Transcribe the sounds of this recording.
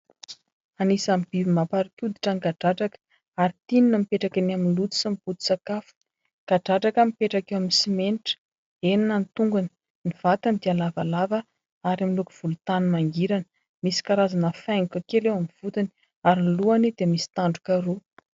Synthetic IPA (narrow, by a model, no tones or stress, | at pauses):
anisambivimapaɾikʲud̪iʈ͡ʂaŋɡaɖ͡ʐaʈ͡ʂakə̥ | aɾit̪ininəmipeʈ͡ʂakanaminlut̪u̥simiput̪u̥sakafu̥ | ɡ̥aɖ͡ʐaʈ͡ʂakəmipeʈ͡ʂakewaminisimenʈ͡ʂə̥ | eninənt̪uŋɡuni̥ | niv̥at̪anid̪ialavalavə | aɾamiluku̥v̥ulut̪anumaŋɡiɾanə̥ | misi̥kaɾazanəfajŋukəkelewamiv̥ut̪ini | aɾinluanid̪̥emisi̥t̪aɳɖ͡ʐukaɾu